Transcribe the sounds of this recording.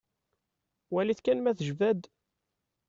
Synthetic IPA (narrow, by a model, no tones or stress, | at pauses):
wæliθkænmæθəʒvæd̪